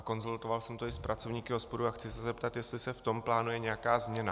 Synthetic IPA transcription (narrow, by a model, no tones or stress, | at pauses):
ko̞nzult̪o̞valsɛmt̪o̞ɪspɾʔat͡so̞vɲiːkɪo̞spo̞duaxt͡sɪsɛzɛp̚t̪at̪jɛst̪lɪsɛft̪o̞mplaːnujɛɲɛjakaːzmɲɛna